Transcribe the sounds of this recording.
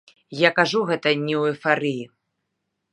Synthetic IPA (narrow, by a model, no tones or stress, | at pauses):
jakaʐuɣɛt̪ɐnʲɛwɛfaɾɨji